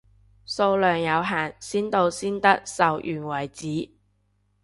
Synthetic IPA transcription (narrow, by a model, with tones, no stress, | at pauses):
so˧wlœː˨ŋjɐ˨˧wɦaː˨˩nsiː˥nt̪o˧wsiː˥nt̪ɐ˥k̚sɐ˨wjʔyː˨˩nwɐ˨˩jt͡siː˨˥